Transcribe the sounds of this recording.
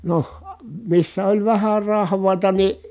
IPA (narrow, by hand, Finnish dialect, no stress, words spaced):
noh misːæ olʲ ʋæhær rɑhʋˑɑˑi̯tɑ ni